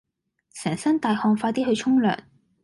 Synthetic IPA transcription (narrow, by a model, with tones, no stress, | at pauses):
sɛː˨˩ŋsɐ˥nt̪aː˨jhɔː˧ŋfaː˧t̪iː˥hɵ˧ɥt͡ʃʰʊ˥ŋlœ̰ː˨˩ŋ